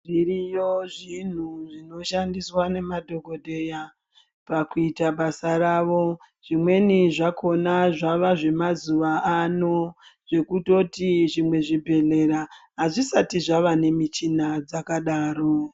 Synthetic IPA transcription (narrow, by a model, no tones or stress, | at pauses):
ʐirijoʐin̤uʐino̞ʃandiswane̞madʱo̞ɡʱo̞dʱe̞ja | pakuitaɓasaraːʋo̞ | ʐ̥imwe̞niʐakʰo̞naʐaʋaʐe̞mazuʋaano̞ʐ̥e̞kuto̞tiʐimwe̞ʐibʱe̞le̞ɾaɦaʐisatiʐaʋane̞mit͡ʃinad͡zakaɗaːro